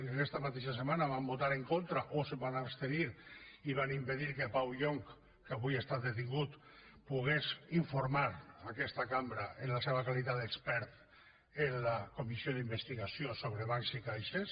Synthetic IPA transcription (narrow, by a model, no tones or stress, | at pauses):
enɛst̪amat̪̬eʃasemanaβambot̪aɾeŋkont̪ɾaʔosebanast̪eniɾiβanimpeðiɾkepawʎoŋk | kaβujest̪ad̪et̪̬iŋɡut̪puɣesiɱfoɾmaɾakɛst̪akambɾaenlaseβakalit̪ad̪ekspɛɾt̪ | enlakomisioðimbest̪iɣasiosoβɾeβansikajʃes